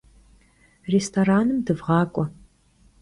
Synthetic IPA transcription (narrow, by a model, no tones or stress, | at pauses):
restʰoɾaːnɨmdɨvʁɑːkʷʼɔ